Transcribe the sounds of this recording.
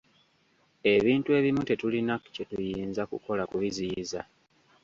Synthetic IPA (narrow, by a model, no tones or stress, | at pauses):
e̞βiːntue̞βimute̞tulinakce̞tujiːnzakṵko̞lakuβiziza